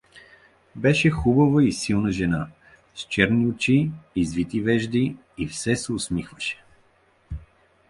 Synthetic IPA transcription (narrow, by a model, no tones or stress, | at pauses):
bɛʃɛxubɐvəisilˠnəʒɛna | st͡ʃɛɾniʊt͡ʃiːzvit̪ivɛʒd̪iː | fsɛsɛʊsmixvəʃɛ̥